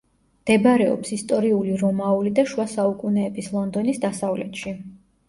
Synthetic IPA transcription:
md̪̥ɛbɾɛɔ̰psist̪ʼɔɾiuliɾɔmaulid̪aʃuwasaukʼunɛːbislˠɔnd̪ɔnisd̪asavlɛt̪ʃi

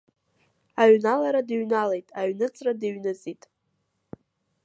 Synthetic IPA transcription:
aɥnalaɾadɨɥnalejtʼaɥnɨt͡sʰʼradɨɥnɨt͡sʼitʼ

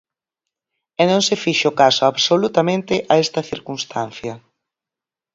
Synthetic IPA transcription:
ɛnõŋsefiʃʊkasoaβsolut̪ɐmẽnt̪ɪʔaɛst̪ɐθiɾkunst̪an̟θjɐ

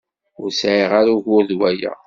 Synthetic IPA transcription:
ʊɾsʕiʁaɾuʝʊɾðwæjæ̰

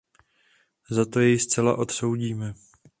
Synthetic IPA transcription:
zat̪o̞jɛjst͡sɛla̰ʔo̞t̪so̞wɟiːmɛ

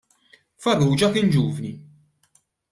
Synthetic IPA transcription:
fɐruːd͡ʒɐkɪnd͡ʒuːvni

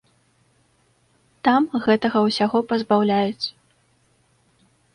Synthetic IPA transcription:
t̪amɣɛt̪ɐɣɐwsʲaɣɔpɐzbawlʲajut̪sɐ

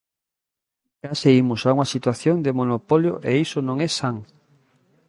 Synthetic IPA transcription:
kaseimʊsauŋɐsit̪waθjoŋd̪emonopoljoʔeisonõŋɛsaŋ

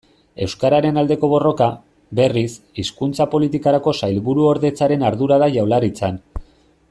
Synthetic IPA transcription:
e̞wskaɾaɾe̞nald̪e̞ko̞β̞o̞ro̞ka | be̞ris | iskunt͡sapo̞lit̪ikaɾako̞sajlβuɾuo̞ɾðe̞t͡saɾe̞naɾðuɾaðaʝawlaɾit͡san

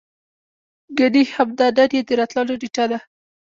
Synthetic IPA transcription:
ɡanihhabd̪ɑd̪ad̪jed̪əɾɑt̪lɑloɖiʈad̪a

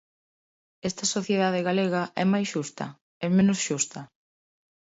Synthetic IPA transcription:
ɛst̪ɐsoθjeðaðeɣaleɣɐʔɛ̰majsʃust̪ɐ̰ | ɛmẽnʊsʃust̪ɐ

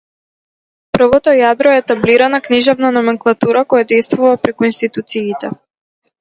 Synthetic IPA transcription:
pr̩vɔt̪ɔjad̪ɾɔɛːt̪abliɾanakniʒɛvnanɔmɛŋklˠat̪uɾakɔjad̪ɛjst̪vuvapɾɛkuinst̪it̪ut̪siːt̪ɛ

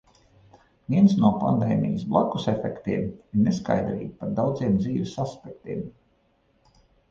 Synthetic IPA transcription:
viɛnsnuɔpa̰nd̪ɛ̰ːmḭjɪsblˠaku̥sefɛkt̪iɛmiɾneska̰jd̪ɾḭːɡpaɾd̪awd̪ziɛmd̪ziːʋʲɛsaspɛk̚t̪iɛm

